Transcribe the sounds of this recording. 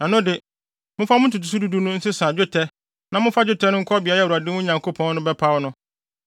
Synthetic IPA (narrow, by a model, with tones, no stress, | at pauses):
nã˨nʊ̃˦dɪ˨ | mʊ̃˦fa˦mʊ̃˦tʰu˨tʰu˨s̬u˦du˦du˦nʊ̃˦n̩˦sɪ˦sã˨d͡ʑᶣʊ˦tʰɛ˦ | nã˨mʊ̃˦fa˦d͡ʑᶣʊ˦tʰɛ˦nʊ̃˦ŋ̩˦kʰɔ˦bi˨a˨˦jɛ˦˨a˨dɪ̃˦wʊ̃˦ɲã˨ŋkʰo˦pʰɔ̃˦n˦nʊ̃˦bɛ˦pʰa˦wnʊ̃˦